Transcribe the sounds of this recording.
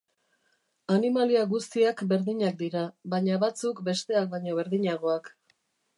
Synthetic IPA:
animaliaɣust̪iakbe̞ɾðiɲak̚d̪iɾaβajɲaβat͡sukbe̞st̪e̞ak̚baɲo̞βe̞ɾðiɲaɣo̞ak

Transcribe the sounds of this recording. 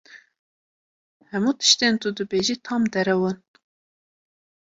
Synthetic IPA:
hɛmuːt̪ʰɨ̥ʃt̪ent̪ud̪ɨbeːʒit̪ʰɑmd̪ɛɾɛwɨn

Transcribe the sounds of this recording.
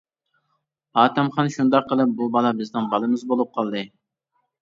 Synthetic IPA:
ɑːt̪ɛmχɑnʃund̪ɑqːəlˠɨp̚bubɑlˠɑbɪznɪŋbɑlˠɨmɨzbolˠup̚qʰɑlˠd̪ɨ

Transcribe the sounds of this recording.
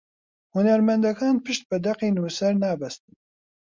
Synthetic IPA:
hunɛɾmɛnd̪ɛkʰaːnpʰɨʃt̪̚bɨd̪ɛqeːnuːsɛɾnɑːbɛst̪ɨn

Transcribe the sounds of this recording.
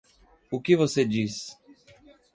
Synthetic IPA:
ʊkɪvosed͡ʒis

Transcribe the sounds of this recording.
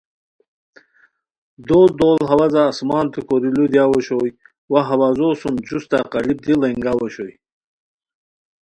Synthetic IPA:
d̪oːd̪oːlɦɐwazaːsmɑːnt̪ukoɾilud̪jaːwoɕoj | waɦɐwaːzoːsumt͡ɕust̪aqɑlib̚d̪ilɐŋɡawoɕoj

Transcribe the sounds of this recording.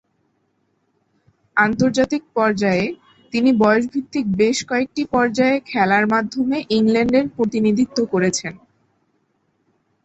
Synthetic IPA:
ant̪oɾd͡ʑat̪ik̚pɔɾd͡ʑae | t̪inibɔoʃ̬bʱit̪ːik̚beʃkɔek̚ʈipɔɾd͡ʑaekʰɛlaɾmad̪ʱːomeʔiŋlɛɳɖeɾpɾot̪inid̪ʱit̪ːokoɾet͡ɕʰen

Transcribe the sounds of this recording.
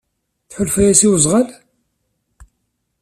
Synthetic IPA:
θħʊlfæjæsiwəzˤʁəl

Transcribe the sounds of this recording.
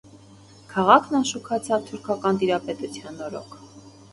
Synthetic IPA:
kʰɑʁɑkʰnɑnʃukʰɑt͡sʰɑvt̪ʰuɾkʰɑkɑnt̪iɾɑpɛt̪ut͡sʰjɑnɔɾɔ̰kʰ

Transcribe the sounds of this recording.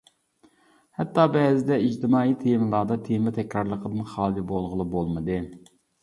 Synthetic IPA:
hɛt̪ːɑbɛːzɪd̪ɛid͡ʒt̪ʰɨmɑːiːt̪ʰemɨlˠɑːd̪ɑt̪ʰemɛt̪ʰɛkʲɾɑɾlˠəqʰəd̪ɨnχɑːd̪ibolˠʁəlˠɨbolˠmɨd̪ɨ

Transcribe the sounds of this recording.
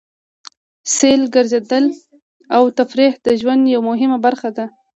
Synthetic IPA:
selɡəɾzed̪əl | awt̪afɾehd̪əʒwand̪jawmʊɦɪmabaɾxad̪a

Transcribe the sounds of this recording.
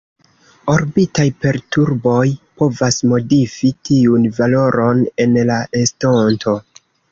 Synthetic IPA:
o̞ɾbitajpe̞ɾtuɾbo̞jpo̞vasmo̞difitiunvalo̞ɾo̞ne̞nlaʔe̞stonto̞

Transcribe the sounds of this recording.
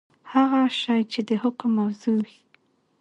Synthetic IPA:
haɣaʃɑjt͡ʃed̪əhʊkmːawzuwi

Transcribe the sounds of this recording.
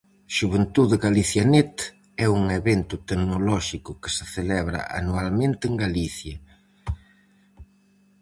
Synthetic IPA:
ʃuβent̪uðeɣaliθjanet̪ | ɛuŋeβent̪ʊt̪eknolɔʃikʊkɪ̥seθelɛβɾɐ̰ʔa̰nualmẽnt̪eŋɡaliθjɐ

